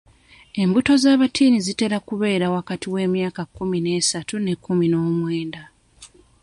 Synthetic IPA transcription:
e̞mbuto̞zaːβatʰiːnizite̞ɾakuβe̞ːɾawakatiwe̞ːmjaːkakːumine̞ːsatune̞kːumino̞ːmwe̞ːnda

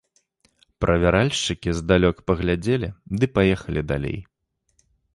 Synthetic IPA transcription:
pɾʔɐvʲaɾalʲʂt͡ʂɨkʲizd̪alʲɔkpɐɣlʲad͡zʲɛlʲid̪ɨpajɛxɐlʲid̪alʲḛj

